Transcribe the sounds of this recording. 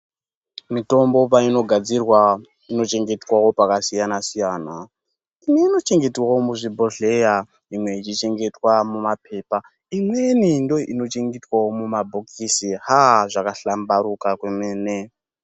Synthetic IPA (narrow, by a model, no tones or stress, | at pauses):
mito̞mbo̞paino̞ɡʱad͡zirwa | ino̞t͡ʃe̞ŋɡe̞twawo̞pakasijanasijaːna | imiːno̞t͡ʃe̞ŋɡe̞twawomuʐibʱo̞ɬe̞ja | imwe̞it͡ʃit͡ʃe̞ŋɡe̞twamumape̞ːpa | imwe̞nindo̞ino̞t͡ʃe̞ŋɡetwawomumabʱokʰisiɦaʐakaɬambaɾukakwe̞meːne